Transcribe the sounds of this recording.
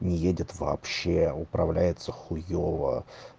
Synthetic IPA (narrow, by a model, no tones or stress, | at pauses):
nʲɪjedʲɪt̪vɐ̰ːpɕːeʊpɾɐvlʲæjɪt̪səxʊjovə̰